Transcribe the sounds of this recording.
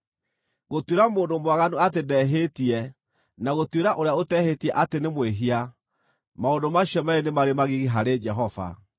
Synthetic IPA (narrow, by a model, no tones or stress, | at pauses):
ɣotweɾamoːndomwaɣanuatedɛɦetiɛ | naɣotweɾaʔoɾeaotɛhetiɛʔatenemweɦia | maondomaɕjɔmɛenemaɾemaɣiɣiɦaɾed͡ʒɛɦɔva̰